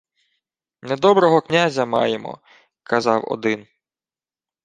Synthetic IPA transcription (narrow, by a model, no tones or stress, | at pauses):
ned̪ɔbɾɔɦɔknʲazʲɐmɑ̰jemɔ̰ | kɐzɑwɔ̰d̪ɪn